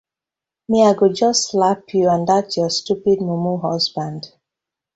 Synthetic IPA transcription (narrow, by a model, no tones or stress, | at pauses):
miaɡud͡ʒʌstlapʰjuãndatʰjɔstupid̚mumuɦɔsbãnd